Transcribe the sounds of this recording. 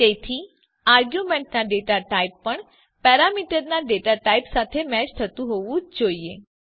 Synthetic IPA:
t̪et̪ʰi | aɾɡjumẽɳʈnaɖeʈaʈaipːəɳ | pɛɾamiʈəɾnaɖeʈaʈaipsat̪ʰemɛt͡ʃt̪ʰət̪ũɦoʋũd͡ʒd͡ʒoie

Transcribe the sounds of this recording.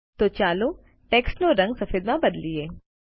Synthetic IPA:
t̪oːt͡ʃaːlo | ʈɛːksnoɾɐ̃ŋɡsɐfeːd̪mãbɐd̪lieː

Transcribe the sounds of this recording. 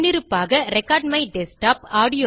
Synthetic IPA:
nːɪɾɯpːaːɣɐɾɛkːaːɾɖmɐɪɖɛsʈaːpaːɽɪjoː

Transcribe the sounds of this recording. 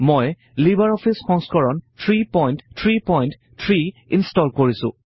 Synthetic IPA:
moj | libaɹɔpʰisxɔŋskɔɹɔntʰɹipɔjnttʰɹipɔjnt | tʰɹiinstɔlkoɹisʊ̰̃

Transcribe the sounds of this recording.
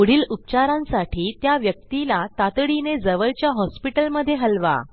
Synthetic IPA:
uɽ̤iːlup̚t͡ɕaɾãnsaʈʰiːt̪jaʋjək̚t̪ilat̪at̪ɽined͡zəʋəlt͡ɕjaɦɔspiʈəlməd̪ʱːjeɦəlʋa̰

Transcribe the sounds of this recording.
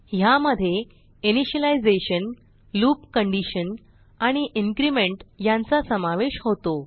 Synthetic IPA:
jaməd̪ʱːje | iniɕəlajd͡zeɕən | luːp̚kəɳɖiɕən | aɽ̃iʔiŋkɾimeɳʈjant͡sasəmaʋeɕɦot̪o

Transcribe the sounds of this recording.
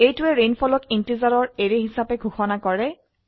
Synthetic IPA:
ejtʊɛɹenpʰɔlɔkintizaɹɔɹeɹeɦisapɛɡʱuxɔnakɔɹɛ

